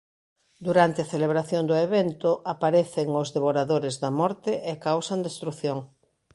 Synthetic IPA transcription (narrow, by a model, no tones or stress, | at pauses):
d̪uɾant̪eɐθeleβ̞ɾaθjond̪ʊeβent̪ʊʔapaɾeθeŋʊzðeβoɾaðoɾezðɐmɔɾt̪ɪʔekawsand̪est̪ɾuθjoŋ